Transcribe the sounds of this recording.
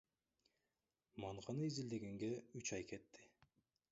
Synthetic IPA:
mɑɴqɑnɯizild̪e̞ɡe̞ŋɡe̞yt͡ʃɑjke̞t̪ːi

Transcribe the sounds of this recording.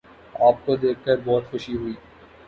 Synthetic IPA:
aːp̚kod̪eːk̚ʰkəɾbɔːt̪xʊʃiɦʊiː

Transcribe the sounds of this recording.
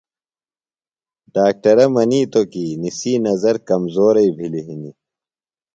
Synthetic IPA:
ɖaːk̚ʈɐɾɐmɐniːt̪okinisinɐzɐɾkɐmzoːɾɐibʱiliɦini

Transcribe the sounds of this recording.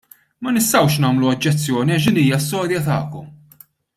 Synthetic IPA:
mɐnɪst̪ɐwʃnɐːmluɐd͡ʒːɛt͡sːjɔːniɐʃ̬d̪iːniːjɐst̪ɔːɾjɐt̪ɐːkɔm

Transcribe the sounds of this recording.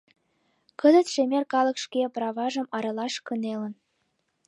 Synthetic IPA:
kə̆zə̆t̪ʃemerkɑlə̆kʃkeprɑβɑʒə̆mɑɾɑlɑʃkə̆nelə̆n

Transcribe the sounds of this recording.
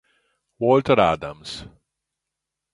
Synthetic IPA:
wɔːlʈəɾa̰d̪ə̰̃ms

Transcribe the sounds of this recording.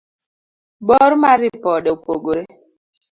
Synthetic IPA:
bɔɾmaɾipɔɗepoɡoɾɛ

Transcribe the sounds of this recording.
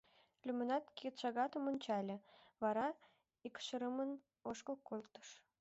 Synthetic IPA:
lʲymɘ̆nɑt̪kʲit̪ʃɑɡɑt̪ɤ̆mŏnʲt͡ɕɑlʲɘ̆βɑɾɑ | ikʃɤ̆ɾə̆mə̆n | oʃkɤ̆lˠkːolˠt̪ɤ̥̆ʃ

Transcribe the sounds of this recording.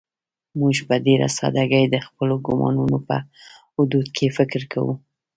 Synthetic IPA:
muʒbad̪eɾa̰sɑ̰d̪aɡəjd̪əxpəloɡʊmɑ̰nunopə̰hʊd̪ud̪kʰefɪkɾkʰawṵ

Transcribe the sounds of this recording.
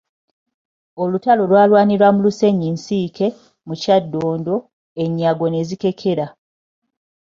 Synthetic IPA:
o̞lutalo̞lwaːlwaːniɾwamuluse̞ɲinsiːkʰe̞ | mucadːoːndo̞ | eɲːaɡo̞ne̞zike̞kʰe̞ɾa

